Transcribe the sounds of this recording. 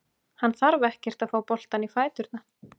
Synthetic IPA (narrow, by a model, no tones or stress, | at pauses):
hanːθaɾvɛhcɛr̥t̪aðfaːwpɔl̥t̪anifaːjt̪ʏɾt̪na